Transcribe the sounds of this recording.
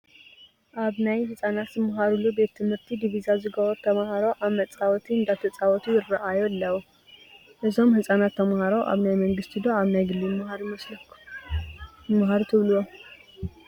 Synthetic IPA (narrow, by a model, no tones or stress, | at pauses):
ʔaβnajhɨsʼanat̪jɨmɦaɾulube̞t̪ʰːɨmhɨɾt̪ʰid̪iβizazɨɡɐwɔɾt̪ʰːɐmhaɾoʔaβmɐt͡sʼawɔt̪ʰiɨnd̪at̪ʰɐt͡sʼawɔt̪ʰujɪrɐʔajolːɐw | ʔɨzo̞mhɨsʼanat̪ʰːɐmhaɾoʔa̰βnajmɐŋɡɨst̪ʰid̪oaβnajɡɨlːimhaɾmɐslɐ | mɦaɾut̪ʰɨβlɨwo